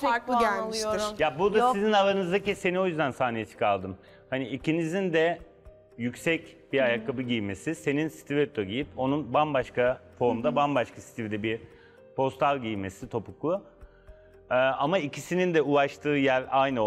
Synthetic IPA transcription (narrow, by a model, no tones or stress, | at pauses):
lolˠujoɾjabud̪asizinalˠanɯzd̪acise̞nio̞jyzd̪ænsaːnijɛt͡ʃʰɯ̥kʰalˠd̪ɯm | haniʔicinizind̪ɛ | jycsɛcbiɾajakʰːabɯɟijme̞sise̞ninsi̥t̪ʰivɛt̪ʰoɟijipo̞nunbanbaʃkafo̞ɾmd̪abanbaʃkʰasi̥t̪ʰivd̪ɛbiɾ | pʰo̞st̪ʰalʲˠɟijme̞sit̪ʰo̞puklˠu | ɯːamaicʰisinind̪ɛulˠaʃt̪ʰɯːjæɾajn